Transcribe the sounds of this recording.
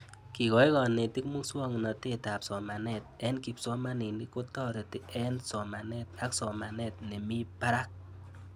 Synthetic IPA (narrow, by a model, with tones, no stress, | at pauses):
ki˨kɔ˨˦i˦kɔ˨ne˨ti˦kmu˦ŋswɔ˦ŋ˨nɔ˨te˦ta˨psɔ˨ma˨nɛ˦˨t̚ɛ˦nki˨psɔ˦ma˦ni˨ni˦ko˦tɔ˦ɾe˨ti˦ɛ˦nsɔ˨ma˨nɛ˦t̚a˦ksɔ˨ma˨nɛ˦t̚ne˨mi˦pa˦ɾa˦k̚